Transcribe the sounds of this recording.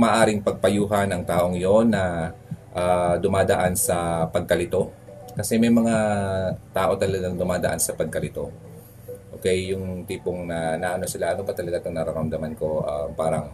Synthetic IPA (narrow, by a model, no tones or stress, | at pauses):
maːʔaːɾɪŋpɐɡ̚pɐjuːɦɐnɐŋt̪aːʔo̞ŋjo̞nːɐ | ʔad̪ʊmaːd̪ɐʔansɐpɐɡ̚kɐlɪt̪o̞ | kɐsɛmɐjmɐŋat̪aːʔo̞t̪ɐlɐɡaŋd̪ʊmaːd̪ɐ̰ʔa̰nsɐpɐɡ̚kɐlɪt̪o̞ | ʔokɛjːʊŋt̪iːpoŋnɐnaʔɐno̞sɪlaʔɐnobɐt̪ɐlɐɡat̪ʊŋnɐɾɐɾɐmd̪ɐmanko̞ʔapaːɾɐŋ